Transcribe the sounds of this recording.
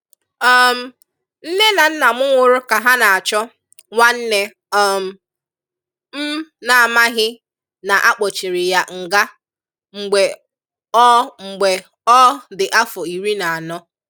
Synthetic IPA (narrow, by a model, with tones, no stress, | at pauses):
ɔ˦m̩˦ | n̩˦ne˦na˨n̩˦na˨mʊ˦ŋʷʊ˨ɾʊ˦ka˨ɦa˦na˨a˨t͡ʃɔ˦ | ŋʷa˦n̩˦ne˦ | ɔ˦m̩˨˦ | m̩˦na˨a˨ma˦ɦɪ˦ | na˨ʔa˦k͡pɔ˨t͡ʃɪ˨ɾɪ˨ja˦ŋ̩˨ɡa˦ | ŋ͡m̩˨ɡ͡be˨ | ɔ˦ŋ͡m̩˨ɡ͡be˨ | ɔ˦dɪ˨ʔa˦fʊ˨i˨ɾi˦na˨a˨nɔ˦